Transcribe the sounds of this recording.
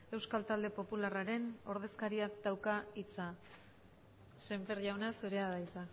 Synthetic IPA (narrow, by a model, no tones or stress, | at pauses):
e̞wskalt̪ald̪e̞po̞pularaɾe̞no̞ɾð̞e̞skaɾiak̚d̪awkait͡sa | se̞mfeɾʝawnasuɾe̞aðajsa